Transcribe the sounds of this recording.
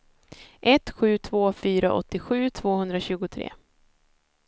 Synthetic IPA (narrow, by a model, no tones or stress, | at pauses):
ʔɛt̪ɧʉ̟ːt̪ʰvoːfyːɾaʔɔ̰t̪ːɪɧʉ̟ːt̪ʰv̥oːhɵnd̪ɾaɕʉ̟ːɡʊt̪ʰɾḛː